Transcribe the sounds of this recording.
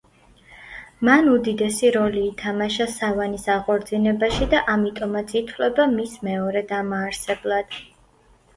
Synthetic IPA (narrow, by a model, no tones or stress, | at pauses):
manud̪id̪ɛsiɾɔliːt̪ʰamaʃasavanisaʁʼɔɾd̪zinɛbaʃid̪aʔamit̪ʼɔmat̪sʰit̪ʰlɛbamismɛɔɾɛd̪amaːɾsɛblˠad̪̥